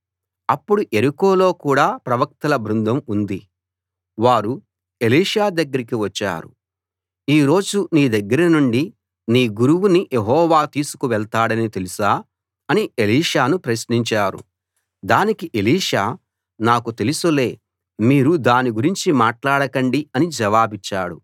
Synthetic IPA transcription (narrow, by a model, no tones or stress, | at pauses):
ɐpːuɽuʔeɾiko̞ːlo̞ːkuːɽaːpɾɐʋɐk̚t̪ɐlɐbʱɾund̪ʱɐmund̪i | ʋaːɾu | e̞liːʂaːd̪ɐɡːɐɾikiʋɐt͡ʃːa̰ːɾṵ | iːɾo̞ːd͡ʒuniːd̪ɐɡːɐɾɐnuɳɖi | niːɡuɾuwunijeɦɔːʋaːt̪iːsu̥kuʋɛɭt̪aːɽɐnit̪e̞lusaː | ɐnie̞liːʂaːnupɾɐsniɲt͡ʃaːɾṵ | d̪aːnikiʔe̞liːʂaː | naːkut̪e̞lusule̞ː | miːɾud̪aːniɡuɾiɲt͡ʃimaːʈlaːɽɐkɐɳɖiɐnid͡ʒɛʋaːbit͡ʃːa̰ːɽu